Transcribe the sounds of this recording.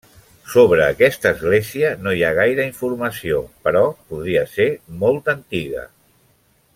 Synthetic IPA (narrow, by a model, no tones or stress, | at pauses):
soβɾəːkɛst̪əːzɣleziənojaɣ̞ajɾəiɱfuɾməsiopəɾɔpuðɾiəseɾmolˠt̪ənt̪iɣə̰